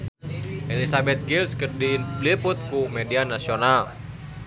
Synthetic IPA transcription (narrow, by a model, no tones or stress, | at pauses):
ʔelisabɛt̪̚ɡilskərdilipʊt̪̚kumedianasional